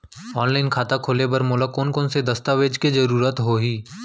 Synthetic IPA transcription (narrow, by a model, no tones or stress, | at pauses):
ɔːnlaːɪnkʰaːt̪akʰoːlebɐɾmoːlakoːnkoːnsed̪ɐst̪aʋeːd͡ʒkizɐɾuːɾət̪ɦoɦiː